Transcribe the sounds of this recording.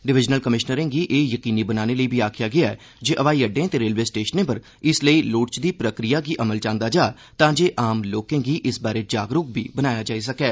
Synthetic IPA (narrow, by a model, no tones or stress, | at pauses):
ɖɪʋɪd͡ʒnəlkəmɪʃnəɾẽːɡiːʔeːjəkiːniːbənaːneːləiːbʱiːaːkʰɪjaːɡɪaɛː | d͡ʒeːʔəʋaːiːəɖẽːət̪eːɾeːlʋeːsʈeːʃənẽːpəɾ | ɪsləiːlʊːʈt͡ʃd̪iːpɾəkɾijaːɡiːʔəməlt͡ʃãːnd̪aːd͡ʒaː | t̪ãːd͡ʒeːʔaːmloːkẽːɡiːʔɪsbaːɾeːd͡ʒaːɡɾʊk̚biːbənaːjaːd͡ʒaːiːs̬əkɛː